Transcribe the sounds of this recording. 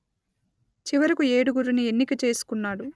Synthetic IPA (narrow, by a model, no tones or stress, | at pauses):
t͡ʃiʋɐɾikueːɽuɡuɾunie̞nːikɐt͡ʃe̞ːsu̥kunːaːɽu